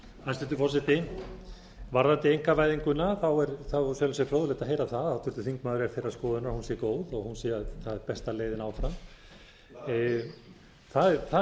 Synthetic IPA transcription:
ast̪ʏnt̪ʏfɔsɪt̪ɪ | vaɾðant̪ɪejŋ̥kavaːjðiŋkʏnːaθawɛɾθawsœlsɛfɾowðʏleht̪aɦeːjɾaθaðawt̪ʰʏɾ̥t̪ʏθiŋkmaːðʏɾɛaɾfɪɾrːaskɔːðʏnahunsɛːjɪkoːwðɔɣhunsɛθaðɛɾpɛst̪aleːjðɪnaːwfɾam | θaθa

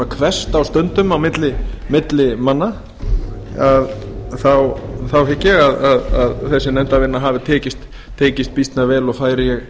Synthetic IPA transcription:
akʰvɛst̪awst̪œnt̪ʏmawmɪt̪lɪmɪt̪lɪmanːa | að | θawθawɦɪcːɛɣaðaðaðθɛsːɪnɛmt̪avɪnːaɦaːvɪt̪ʰɛːcɪst̪ʰː | eːcɪst̪̚pist̪navɛːlɔɣfaːjɾɪjɛɣ

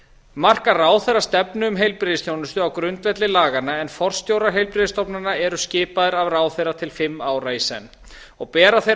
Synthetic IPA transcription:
mar̥karaːwθejɾrːast̪ɛpnʏʏmɦejlpɾɪðɪsθjownʏst̪ʏawkɾʏnt̪vɛt̪lɪlaːɣanːaɛnfɔr̥st̪jowɾaɾɦejlpɾɪðɪst̪ɔpnanːaɛɾʏscɪːpaðɪɾavraːwθejɾat̪ʰɪlfɪmːaːwɾaisɛ̰nː | ɔɣpɛːɾaθej

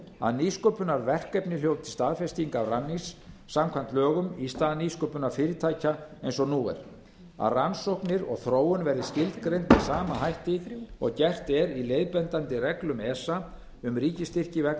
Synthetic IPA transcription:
a̰ðniːskœpʏnaɾvɛr̥kɛpnɪljowt̪ʰɪlst̪aːðfɛst̪iŋkawranːisːamkʰvant̪lœːɣʏmist̪aːðniskœpʏnaɾfɪːɾɪt̪ʰaːjcaejnsɔnuːɛ̰ɾ̥ | a̰ðransowhknɪɾɔ̰ɣθɾoːwʏnvɛɾðɪscɪlt̪kɾejnt̪isaːmaɦajht̪ɪɔɣcɛr̥t̪ɛɾileːjðpɛnt̪ant̪ɪrɛklʏmɛsːa | ʏmriːcɪst̪ɪr̥cɪvɛk̪

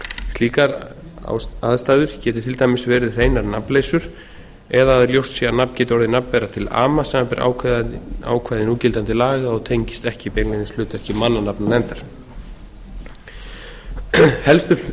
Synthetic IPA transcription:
st̪iːkaɾa̰aðst̪aːðʏɾ̥cɛːt̪ɪɾ̥t̪ʰɪlt̪ʰajmɪsvɛːɾɪðr̥eːjnaɾnapleːjsʏɾ̥ | ɛðaaðɪɾljowst̪sɛanapncɛːt̪ɔɾðɪnappɛɾat̪ʰɪla̰ːmasɛmapɛɾʔa̰ːw | a̰ːwkʰvaːjðɪnuːcɪlt̪ant̪ɪlaːɣaɔɣt̪ʰejɲcɪst̪ɛhcɪpejnlejnɪslʏːt̪ɛhcɪmanːanapnanɛnt̪aɾ̥ | hɛlst̪ʏ

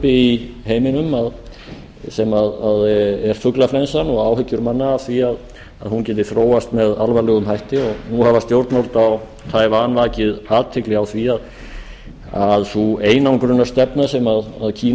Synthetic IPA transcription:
pɪiheːjmɪnʏmað | sɛmaðaðɛɾ̥fʏklafɾɛnsanɔɣaːwɦʏcːʏɾmanːaːwθviað | aðhuncɛːt̪ɪɾ̥θɾoːwast̪mɛðalvalʏɣʏmɦajht̪ɪɔɣnuhavast̪jowɾt̪nowlt̪aw | t̪ʰaːjvanvaːcɪðaːt̪ʰːɪklɪɣawθviað | aðsueːjnawŋkɾʏnːast̪ɛpnasɛmaðaðcʰiː

